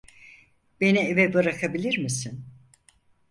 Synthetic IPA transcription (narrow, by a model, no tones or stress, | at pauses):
be̞nievɛbɯɾakʰabilʲiɾmisin